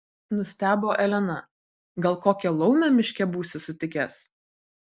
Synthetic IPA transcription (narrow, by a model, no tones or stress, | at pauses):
nʊsʲt̪ʲæːboːʔɛlʲɛnɐ | ɡɐlˠkoːkʲɛlˠɔʊmʲɛmʲɪʃʲkʲɛbuːsʲɪsʊt̪ʲɪkʲes